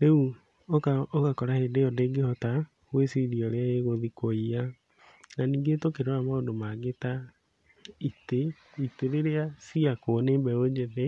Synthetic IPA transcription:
neu | okaokakɔɾahedeɔdeɡehɔta | hwesiɾiɔɾeaeɣoðikoia | naniːŋɡetokeɾwamaodomaɡeta | ite | iteɾeɾeasiakonembɛod͡ʒeðe

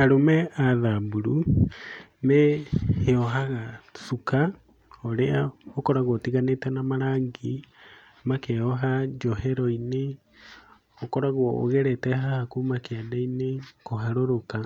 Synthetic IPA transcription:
aɾomɛaðambuɾu | meheɔɦaɣasuka | oɾeaokɔɾaɣotiɣanetɛnamaɾaːŋɡi | makɛɔɦad͡ʒɔɦɛɾɔine | okɔɾaɣoo̰ɣɛɾɛtɛɦahakumakeadainekoɦaɾoɾoka

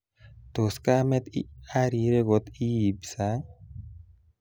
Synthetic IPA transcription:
t̪oskamet̪ḭaɾiɾeɡot̪ibsa

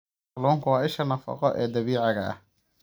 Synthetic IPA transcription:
luːŋkʰʊwɑːɪʃɐnɐfɑ̰qɔʔɛːd̪ɐβiːʕɑɣɐɐ̰h

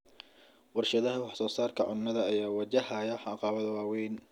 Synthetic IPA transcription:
wɑrʃɐðɐɦɐwɑħsɔːsaːrkʰɐʕʊ̰nːɐðɐːjaːwɐt͡ʃɐhɐjɐħɑqɑːwɐðɐwɑːwɛjn

